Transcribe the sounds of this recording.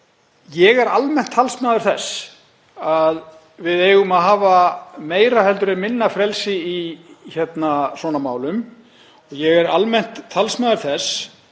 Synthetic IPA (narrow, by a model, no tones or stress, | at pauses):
jɛɣɛɾalmɛn̥t̪ʰːalsmaːðʏɾ̥θɛs | að | vɪðeːjɣʏmaðɦaːvameːjɾahɛlt̪ʏɾɪmɪnːafɾɛlsɪiçɛt̪nasɔːnamaːwlʏm | ɔɣjɛɣɛɾalmɛn̥t̪ʰːalsmaːðʏɾ̥θɛs